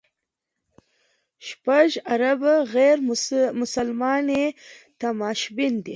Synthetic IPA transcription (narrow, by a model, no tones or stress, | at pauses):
ʃpaʒaɾabaɣeɾmʊsalmɑnet̪amɑʃbind̪i